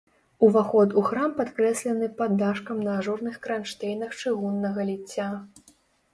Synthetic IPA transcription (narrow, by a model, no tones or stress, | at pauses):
uvaxɔt̪uxɾampat̪kɾɛsʲlʲɐnɨpad̪ːaʂkɐmnɐːʐɔrnɨxkɾanʂt̪ɛjnɐxt͡ʂɨɣunːɐɣɐlʲit͡sʲːa